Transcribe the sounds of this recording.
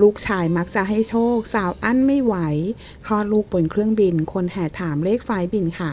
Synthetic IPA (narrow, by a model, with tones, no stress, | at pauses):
luː˦˥˩k̚t͡ɕʰaː˧jma˦˥k̚t͡ɕa˨˩ɦa˥˩jt͡ɕʰoː˥˩k̚saː˨˦wʔa˥˩˨nma˥˩jwa˩˦j | kʰɔː˥˩luː˥˩k̚bo˨˩nkʰɾɯ˥˩əŋbi˧nkʰo˧nhɛː˨˩t̪ʰaː˩˦mleː˥˩k̚faː˨˦˥jbi˧nkʰa˦˥˩